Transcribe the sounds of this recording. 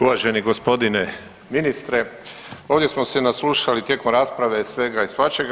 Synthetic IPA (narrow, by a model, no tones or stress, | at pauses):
uʋaʒeniɡospo̞d̪ine | minist̪ɾe | o̞ːʋd̪je̞smosenasluːʃalit̪je̞ko̞mɾaːspɾaʋe̞sʋe̞ɡaisʋat͡ʃeɡ